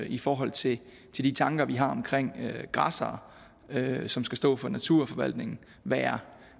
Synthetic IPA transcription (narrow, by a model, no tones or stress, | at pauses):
ifɒːɦɒ̽l̰t͡sʰe̝ | t͡sʰe̝ld̥it͡sʰɑ̈ŋɡ̥ɐʋiɦɑ̈ɒ̽mkʰʁeŋ̰ɡ̥ʁɑ̈sɐː | øsɒ̽msɡ̥æsd̥ɔ̰̽ːfɒ̽næt͡sʰuɐ̰fɒ̽ʋæl̰d̥ne̝ŋn̩ | ʋæːɐ